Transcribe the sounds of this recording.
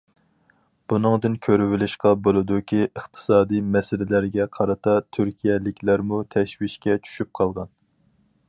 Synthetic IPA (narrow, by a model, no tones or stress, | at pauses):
b̥unɨŋd̪ɨnkʲʰøɾyvɪlɪʃqɑbolˠɨd̪ukʲʰiəχt̪ʰɨ̥sɑːd̪ijmɛsɪlɪlæɾɡʲɛqʰɑɾɨt̪ɑt̪ʰyɾkʲijɛlɪkʲʰlæɾmut̪ʰɛʃwiʃkʲɛt͡ʃʰy̥ʃyp̚qʰɑlˠʁɑn